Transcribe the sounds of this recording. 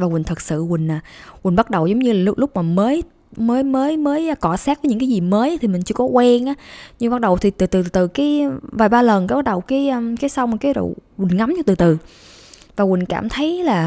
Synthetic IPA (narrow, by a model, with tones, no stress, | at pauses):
vaː˨˩wï̟˨˩t̪ʰɨ˨˩t̚sɨ̰˧˨wï˨˩ŋ̟aː˨˩wï˨˩ŋ̟ɓa˦˥t̚ɗə˨˩wzə˨˦wŋ͡mɲɨ˧laː˨˩llʊ˦˥k͡p̚maː˨˩məː˨˦j | məː˨˦jməː˨˦jməː˨˦jkɔ˧˩saː˦˥vːɲɨ̰˧˥ŋkaː˨˦jzi˨˩məː˨˦jʔt̪ʰi˨˩mï˨˩ŋ̟t͡ɕɨ˧əkɔ˨˦kwɛ˧ŋʔaː˨˦ɲɨ˧ŋɓa˦˥t̚ɗə˨˩wt̪ʰi˨˩t̪ɨ˨˩t̪ɨ˨˩t̪ɨ˨˩kaː˨˦jvaː˨˩ɓaː˧lə˨˩nka˨˦ɓa˦˥t̚ɗə˨˩wkaː˨˦jə˧kaː˨˦jsa˧wŋ͡mkaː˨˦jɗo̰˧˨˩wï˨˩ŋ̟ŋa˨˦mt͡ɕa˧t̪ɨ˨˩t̪ɨ˨˩ | vaː˨˩wï˨˩ŋ̟ka̰ː˧˩mt̪ʰə˨˦jlaː˨˩